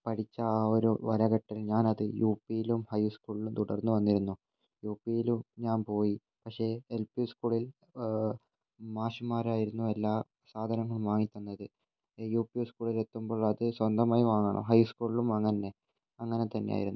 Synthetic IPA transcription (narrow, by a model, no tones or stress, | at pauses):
pɐʈʰit͡ɕːɐoɾuʋɐɾɐɣɐʈːilɲaːnɐðɨjuːpːijilumhɐjskuːɭlumt̪uɽɐrnːuʋɐnːiɾunːu | juːpːijilumɲaːnpo̞ːji | pɐkʂe̞ːelpiuskuːɭil | maːɕumaːɾaːjiɾunːue̞lːaː | saːd̪ʱɐnɐŋːɐɭumʋaːŋit̪ʲːunːɐðɨ | juːpijuskuːɭile̞t̪ːumbo̞ːɭɐðɨswɐnd̪ɐmaːjiʋaːŋɐɳɐ̰mɦɐjskuːɭilumɐŋːɐnːe̞ | ɐŋːɐne̞t̪ɐnːeja̰ːjiɾunː